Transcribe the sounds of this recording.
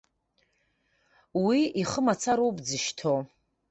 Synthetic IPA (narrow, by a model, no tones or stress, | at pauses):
wiiχəmat͡sʰaɾowpʼd͡zɨʃtʰo